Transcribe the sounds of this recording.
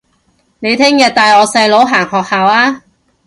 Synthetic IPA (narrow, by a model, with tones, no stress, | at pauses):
ne˨˧jt̪ʰɪ˥ŋjɐ˨t̚t̪aː˨jɔː˨˧sɐ˧jlo˨˥wɦaː˨˩ŋhɔː˨k̚haː˨waː˧˥